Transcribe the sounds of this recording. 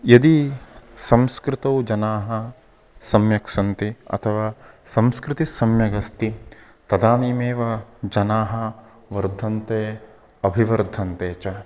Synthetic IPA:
jɐd̪isɐ̃mskɾɪt̪ɐwd͡ʒɐnaːɦɐ | sɐmjɐkʂɐnt̪iɐ̰t̪ʰɐʋaːsɐmskɾɪt̪isɐmjɐɡɐst̪i | t̪ɐd̪aːniːmeːʋɐd͡ʒɐnaːɦɐ | ʋɐɾd̪ʱɐnt̪eː | ɐbʱiʋɐɾd̪ʱɐnt̪eːt͡ʃɐ

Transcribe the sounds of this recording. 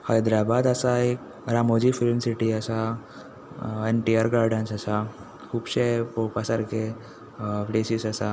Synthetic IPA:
hajd̪ɾabad̪əsaek̚ | ɾamod͡ʑifilmsiʈiəsa | eɳʈiaɾɡaɾɖənsəsa | kʰuːbɕepopəsaɾke | pɽesisəsa

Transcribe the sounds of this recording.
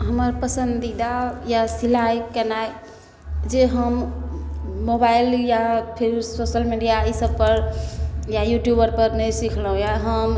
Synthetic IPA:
ɦəməɾpəsənd̪id̪ajasilajkənae | d͡ʒeɦəmː | obailjapʰiɾsosəlmiɖijaisəb̚pəɾ | jajuʈjubəɾpəɾnəjsikʰləɦũjaɦəm

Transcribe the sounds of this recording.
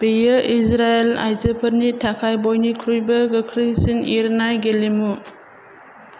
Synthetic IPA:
b̥ejɯʔisɾaela̰jzəpʰɐɾnitʰakʰajbojnikʰɾujbɐɡɯkʰɾisiniɾnajɡelemu

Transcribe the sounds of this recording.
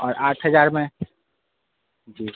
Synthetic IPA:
ɔːɾaːʈʰɦəzaːɾmẽ | d͡ʒiː

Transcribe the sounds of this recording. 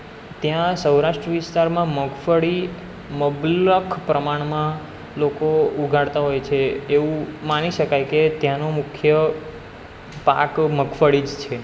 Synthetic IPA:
t̪jãsəwɾaʃʈɾəʋɪst̪aɾmãməɡfəɭi | məbləkʰpɾəmaɳ̃mã | lokouɡʱaɽt̪aɦojt͡ʃʰeːʋũmaniʃəkajket̪jãnomʊkʰjə | pa̰kməkfəɽid͡ʒt͡ʃʰe

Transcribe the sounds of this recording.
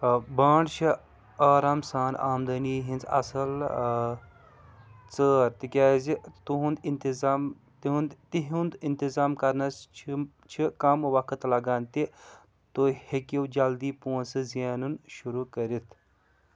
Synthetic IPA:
baːɳt͡ʃʰi | aːɾaːmsaːnaːmd̪ɐniːɦĩnt͡sɐ̰sɐl | t͡səːɾt̪ikʲaːzit̪uɦũnd̪int̪izaːm | t̪iɦũnd̪t̪iɦund̪int̪izaːmkɐɾnɐst͡ʃʰi | t͡ʃʰikɐmʋɐkʰɐt̪lɐɡaːnt̪i | t̪ohekiwd͡ʒɐld̪iːpoːnsɨzjaːnunʃuɾukɐɾit̪ʰ

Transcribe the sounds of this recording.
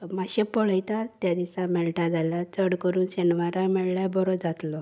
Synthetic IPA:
maɕepɔɭəjt̪at̪jad̪isamɛɭʈad͡zalat͡səɽkəɾuːnɕenʋaɾamɛɭɭjabɔɾɔd͡zat̪lɔ

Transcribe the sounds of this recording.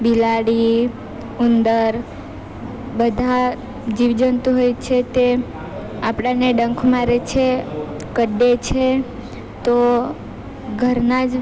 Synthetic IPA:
bilaɽi | und̪əɾ | bəd̪ʱa | d͡ʒiʋd͡ʒənt̪ũɦojt͡ʃʰet̪e | apɽaneɖə̃ŋkʰmaɾet͡ʃʰe | kəɖːet͡ʃʰe | t̪o | ɡʱəɾnad͡ʒ

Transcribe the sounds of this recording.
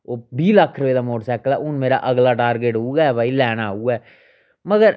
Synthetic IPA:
oːbiːləkʰːɾəeːd̪aːmoːʈsɛːkəlɛːʔʊnmeːɾa̰ːʔəɡlaːʈaːɾɡeʈɦoːɡaːɛːbʱaːilɛːnaːɦuːɡɛː | məɡəɾ

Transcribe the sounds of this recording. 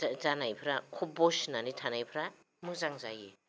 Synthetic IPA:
zanajpʰɾakʰɔbɔsnanitʰanajpʰɾa | mɯzaŋzaje

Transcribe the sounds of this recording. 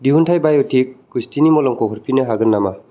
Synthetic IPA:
diuntʰajbajɔtʰikːustinimɔlɔmkʰɔɦɔɾpʰinɯɦaɡɯnːama

